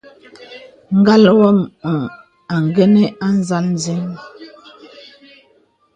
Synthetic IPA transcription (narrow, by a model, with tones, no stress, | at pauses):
ŋ̩˦ɡa˦lwɔ˦˨mu˨ | a˨ŋ˨ɡe˦ne˦ʔa˦n˦za˦ln˦ze˦ŋ